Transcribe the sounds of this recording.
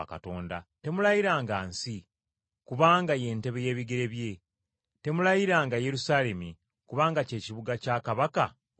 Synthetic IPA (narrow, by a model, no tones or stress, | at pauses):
aka̰to̞ːndate̞mulajiɾaːŋɡaːnsi | kuβaːŋɡaje̞ːnte̞βe̞je̞ːβiɡe̞ɾe̞βje̞ | te̞mulajiɾaːŋɡaje̞ɾusaːle̞mi | kuβaːŋɡace̞ːciβuɡacaːkaβaka